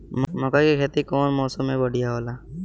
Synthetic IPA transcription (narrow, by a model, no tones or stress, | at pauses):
mmɔkakekʰeːt̪ikɔːnmɔːsõmːẽbəɽ̤ijaɦoːla